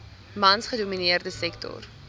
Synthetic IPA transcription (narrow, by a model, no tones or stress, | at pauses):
mɐnsχəduminiərdəsɛktʰɔ̰r